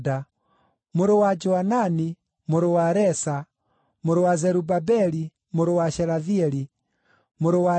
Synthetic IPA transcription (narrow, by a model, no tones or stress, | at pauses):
da | moɾowad͡ʒɔanani | moɾowaɾɛsa | moɾowazɛɾubabɛɾi | moɾowaʃɛɾaðiɛɾi | moɾowa